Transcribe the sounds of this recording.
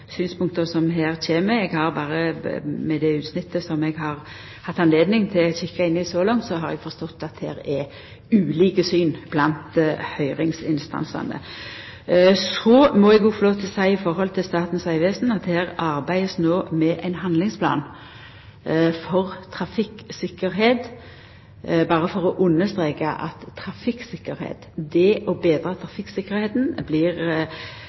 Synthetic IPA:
syːnspʰʊŋk̚t̪əsɔmɦæːʁçeːməɾɛɡhɑɾbɑːɾəmɛd̪ɛʉːt̪snɪt̪ʰːəsɔmɛɡɦɑʁ | hɑt̪ːɑnleːd̪nɪŋt̪ʰɪlɔçɪkːɑɪnːɪsɔlɑŋt̪sɔɦɑɾɛ̰ɡfɔst̪ɔt̪ːɑt̪̚d̪hæ̰ːɾɛ | ʉːliːkəsyːnb̥lɑnt̪hœʏɾɪŋsɪnst̪ɑ̰nsɑ̰nə̰ | sɔmɔɛɡuːfɔɾloːʋt̪ʰɪlsæɪɪfɔɾhɔlt̪ʰɪlst̪ɑːt̪n̩sæɪʋesn̩ɑt̪̚d̪ɛhæːɾɑɾbæɪəsnoːmɛʔæɪnɦɑnd̪lɪŋspʰlɑ̰ːn | fɔʁt̪ʰɾɑfɪksɪkːəɾɦeːt̪ | bɑːʁəfɔʁɔʔʊnːəst̪ɾeːkɑʔɑ̰t̪ʰːɾɑfɪksɪkːəɾhḛːt̪d̪ɛʔɔbeːd̪ɾɑːt̪ʰɾɑfɪksɪkːəɾheːt̪n̩blɪʁ

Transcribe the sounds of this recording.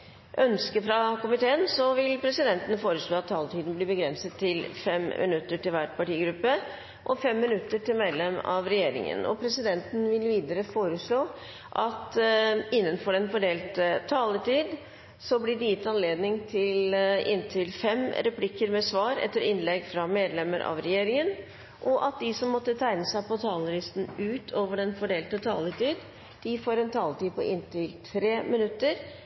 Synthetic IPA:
ʔœnskəfɾɑkʊmɪt̪ʰeːənsɔʋɪlpʰɾɛsɪd̪ɛnt̪ənfoːɾəʂɭoːɑt̪ʰːɑːlət̪ʰiːd̪n̩bliːbəɡɾɛnsət̪ʰːɪlfɛmmʔɪ̰nʉt̪ːəʈɪlʋæʈpɑʈiːɡɾʉpːə | ʔɔfɛmːɪnʉt̪ːəʈɪlmɛd̪lɛmɑ̰ʋɾɛjeːɾɪ̰ŋə̰nɔ̰pʰɾɛsɪd̪ɛnt̪ən̩ʋɪlʋiːd̪əɾəfoːɾəʂɭoː | ʔɑt̪ɪnːənfɔɾɛnfɔɖeːlt̪ʰːɑːləʈiːd̪ | sɔblɪɖɪjɪt̪ːɑnleːd̪nɪŋt̪ʰɪlɪ̰nt̪ʰɪlfɛmɾɛpʰlɪkːəɾmɛsʋɑːɾɛ̰t̪ːəɾɪnlɛɡfɾɑmeːd̪lɛmːəɾʔɑ̰ʋɾɛjeːɾɪŋən | ʔɔʔɑt̪̚d̪ɪsɔmːɔt̪ːət̪ʰæɪnəsæɪpɔt̪ʰɑːləlɪst̪n̩ʉːt̪ʰoːʋəɖɛnfɔɖeːlt̪ət̪ʰɑːlət̪iːd̪ | d̪̥ɪfoːɾɛnt̪ʰɑːlət̪iːd̪̚pʰɔʔɪnt̪ɪlt̪ʰɾeːmɪnʉt̪ːəɾ

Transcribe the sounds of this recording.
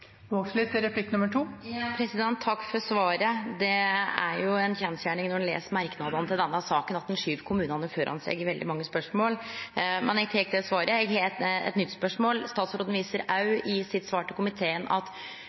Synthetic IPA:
ʋokslɪt̪ːɛɾɛpʰlɪkːnʉmːəʈʰuːpʰɾɛsɪd̪ɛnt̪ʰːɑkːfɔɾsʋɑːɾəd̪ɛæ̰ɾjʊɛnçɛnsjæːɳɪŋnɔɖɛnlḛːsəmæɾknɑːd̪ənət̪ɪld̪ɛnːəsɑːkənɑt̪̚d̪ɛnʂyːʋkʰʊmʉːnɑnəføːɾʔɑ̰nsɛ̰ɡəɾʋɛld̪ɪ̰mɑŋːəspœʂmoːlmɛnɛɡt̪ʰɛːk̚d̪ɛsʋɑːɾʔəɛɡhet̪ɛ̰t̪nʏt̪ːspœʂmoːlst̪ɑːt̪sɾoːd̪n̩ʋiːsəɾɑʉɪsɪt̪sʋɑːʈəkʰʊmɪt̪ʰeːənɑ̰t̪

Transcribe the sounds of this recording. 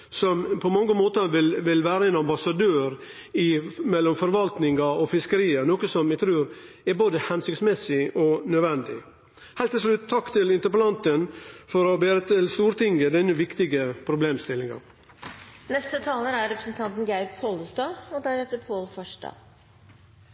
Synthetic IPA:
sɔmpʰɔmɑŋːəmoːt̪ɑʋɪlʋɪlʋæːɾəeːnɑmbɑsɑd̪øːɾ | ɪmɛlːɔmfɔɾʋɑlt̪nɪŋɡɑɔfɪskəɾiːənoːkəsɔmæt̪ʰɾʉːɾ | ɛɾboːd̪əhɛnsʏksmɛsɪʔɔnœʋɛnd̪ɪ | hɛɪt̪ʰːɪlslʉt̪ʰːɑkːt̪ɪlɪnt̪əɾpəlɑnt̪ənfɔɾɔbeːɾət̪ʰɪlst̪uːɾt̪ɪŋːəd̪ɛnːəʋɪkt̪ɪɡəpʰɾʊbleːmst̪ɪlːɪŋɑ̰ | nɛst̪ət̪ʰɑːləɾæɾɾɛpɾəsn̩t̪ʰɑnt̪n̩ɡæɪppʰoləsd̪ɑːɔd̪æɾɛft̪əɾpʰoːlfɔʂɖɑ̰ː

